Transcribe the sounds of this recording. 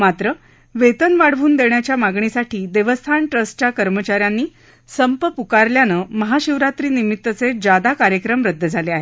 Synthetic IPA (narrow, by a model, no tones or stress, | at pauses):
mat̪ɾə | ʋet̪ənʋaɽ̤ʋuːnd̪eɳjat͡ɕjamaɡɳisaʈʰiːd̪eʋəst̪ʰaɳʈɾəst͡ɕjakəɾmət͡ɕaɾjanːiː | səmpəpukaɾljanəːməɦaɕiʋɾat̪ɾiːnimit̪ːət͡sed͡ʑad̪akaɾjəkɾəmɾəd̪ːəd͡zʱaleaɦe